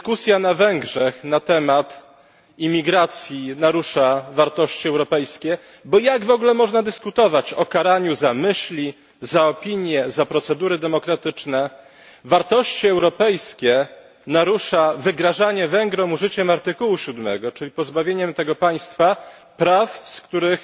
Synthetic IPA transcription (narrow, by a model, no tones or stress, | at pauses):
kusʲjanavɛŋɡʐɛxnat̪ɛmat̪ | imʲːiɡɾat̪sʲjinaɾuʂavaɾt̪ɔɕt͡ɕiɛwɾɔpɛjskʲɛ | bɔjaɡvɔɡlɛmɔʐnad̪ɘskut̪ɔvat͡ɕɔkaɾaɲuzamɘɕlʲi | zaɔpʲiɲjɛzapɾɔt̪sɛd̪uɾɘd̪ɛmɔkɾat̪ɘt͡ʂnɛ | vaɾt̪ɔɕt͡ɕiɛwɾɔpɛjskʲɛ | naɾuʂavɘɡɾaʐaɲɛvɛŋɡɾɔ̃muʐɘt͡ɕɛmaɾt̪ɘkuwuɕud̪mɛ̰ɡɔt͡ʂɘlʲipɔzbavʲjeɲɛmt̪ɛɡɔpaj̃st̪fapɾafskt̪uɾɘx